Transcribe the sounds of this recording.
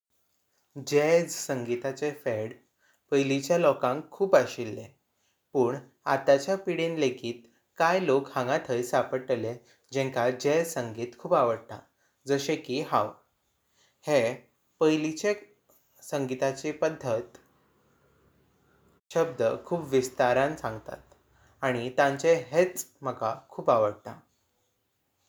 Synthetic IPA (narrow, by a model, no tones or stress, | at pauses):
d͡ʑed͡zsəŋɡit̪at͡sefeɽ | pəjlit͡ɕjalɔkãŋkʰːuːpaɕilːe | puːɳ | a̰t̪at͡ɕjapiɽenlekʰiːt̪ | kajlokhãŋɡat̪ʰəjsapəʈəle | d͡ʑɛ̃ŋkad͡ʑed͡zsəŋɡiːt̪kʰuːpaʋəɽt̪a̰ | d͡zəɕekiɦaw | he | pəjlit͡ɕe | səŋɡit̪at͡ɕepəd̪ʱːət̪ | ɕəb̚d̪əkʰuːpʋist̪aɾãnsãŋɡt̪a̰t̪ | aɽ̃it̪ãɲt͡ɕeɦet͡sm̤əɡakʰuːpaʋəɽt̪a̰